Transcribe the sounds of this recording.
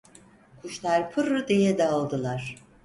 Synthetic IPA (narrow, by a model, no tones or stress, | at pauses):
kʰuʃlˠaɾpʰɯɾːɯd̪ijɛd̪ɛːlˠd̪ɯlˠaɾ̥